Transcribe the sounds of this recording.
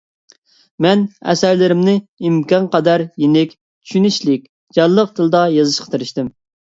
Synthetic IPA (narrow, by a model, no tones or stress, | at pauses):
mɛnɛ̰sæɾlɪɾɪmnɪimkʲɑnqʰɑd̪ɑɾjenɪkʲ | t͡ʃʰy̥ʃyniʃlɪkʲ | d͡ʒɑnlːˠəq̚d̪ɨlˠd̪ɑjɑzɨʃqʰɑ̥t̪ʰeɾɨʃt̪ɪm